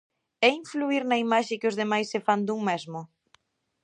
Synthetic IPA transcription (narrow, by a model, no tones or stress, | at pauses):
ɛiɱfluiɾnɐimaʃɪkɪʊzðemajsːɪfand̪uŋmɛzmʊ